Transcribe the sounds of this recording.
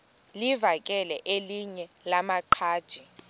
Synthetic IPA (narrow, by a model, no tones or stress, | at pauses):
livak̬ʼɛlɛʔeliɲɛlamaǃʰaːd̥ʒ̥ʱi